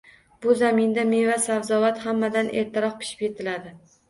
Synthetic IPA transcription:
bʊzamɪnd̪amevasavzɒvat̪hamːad̪anʔe̞̰ɾt̪ʰaɾɒq̚pʰɪ̥ʃɪ̥pje̞t̪ʰɪlad̪ɪ

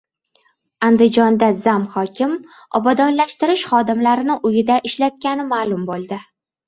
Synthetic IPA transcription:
and̪ɪd͡ʒɒnd̪azamχɒkʲɪm | ɒbad̪ɒnlaʃt̪ɪɾɪʃχɒd̪ɪmlaɾɪnɪʔʊjɪd̪aʔɪʃlat̪̚kʲanɪmaːlˠʊmbolˠd̪ɪ

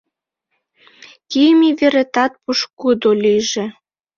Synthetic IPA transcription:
kijəmiβeɾet̪ɑt̪̚puʃkud̪oliʒĕ

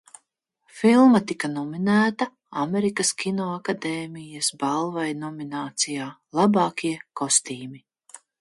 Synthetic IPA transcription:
filˠmɐt̪ikanɔminæːt̪a | amɛɾikɐskʲinɔːakad̪eːmijɐsbalˠvajnɔminaːt̪sijaːlˠabɑːkʲiɛkɔst̪iːmi

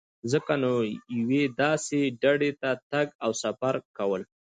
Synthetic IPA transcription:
zəkanojɪwed̪ɑseɖaɖet̪at̪aɡawsafaɾkawəl

